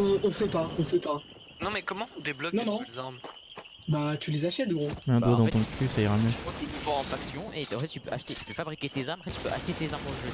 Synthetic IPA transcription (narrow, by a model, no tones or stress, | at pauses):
ɔ̃ɔ̃fɛpaɔ̃fɛpa | nɔ̃mɛkɔmɑ̃d̪eblɔknɔ̃nɔ̃ezaʁm | bat̪ylezaʃɛt̪̚ɡʁoɛ̃d̪od̪ɑ̃t̪ɔ̃t̪χysajʁamjøwat̪eipɔ̃ɑ̃faksjɔ̃ʔeɑ̃fɛt̪t̪ːypøʔaʃt̪et̪y̥pøfabʁikʲet̪ezamɑ̃fɛt̪t̪y̥pøʔa̰ʃt̪et̪ezaʁmɔ̃ʒø